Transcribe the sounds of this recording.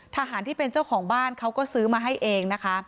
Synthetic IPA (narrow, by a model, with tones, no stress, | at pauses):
t̪ʰaː˧ɦaː˩˦nt̪iː˥˩pe˧nt͡ɕa˥˩wkʰɔː˩˦ŋbaː˥˩nkʰa˦˥wkɔː˥˩sɯː˦˥maː˧ɦa˥˩jʔeː˧ŋna˦˥kʰa˦˥ʔ